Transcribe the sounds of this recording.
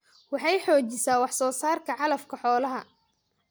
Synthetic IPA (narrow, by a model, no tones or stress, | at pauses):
wɑħɑjħɔːt͡ʃɪsaːwɑħsɔːsaːrkʰɐʕɑlɐfkʰɐħɔːlɐɦɐ